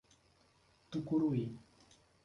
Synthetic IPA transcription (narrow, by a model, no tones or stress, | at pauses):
t̪ʊkʊɾuj